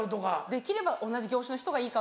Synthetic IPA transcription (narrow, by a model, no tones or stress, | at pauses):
ɯd̪oɡad̪e̞kʲiɾe̞baʔo̞naʑiɡʲo̞ːɕano̞çi̥t̪o̞ɡaiːka